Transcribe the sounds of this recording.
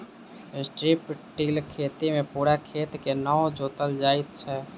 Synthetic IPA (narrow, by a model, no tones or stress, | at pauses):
ɪsʈɾiːpʈiːlkʰeːt̪imẽpuːɾakʰeːt̪kenəõd͡ʒoːt̪əld͡ʒaːɪt̪t͡ʃʰɛː